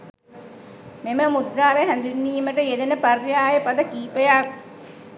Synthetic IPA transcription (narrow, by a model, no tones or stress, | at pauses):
meməmud̪ɾaːʋeɦænd̪unːiːməʈəjed̪enəparjaːjəpad̪ɐkiːpəjak̚